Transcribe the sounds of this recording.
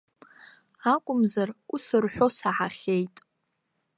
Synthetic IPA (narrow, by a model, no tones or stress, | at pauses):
akʷʼʊmzarusɨrħᶣʷo̞saʕaχʲejtʼ